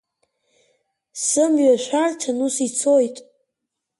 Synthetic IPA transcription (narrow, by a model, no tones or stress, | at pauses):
sɨmɥaʃʷᶣartʰanusit͡sʰojtʼ